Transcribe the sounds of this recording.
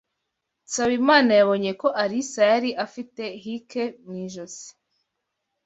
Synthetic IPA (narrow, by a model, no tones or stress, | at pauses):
saβimaːnajaβo̞ɲe̞ko̞ʔaɾisajaɾiʔafite̞ɦike̞mŋiːʒozi̥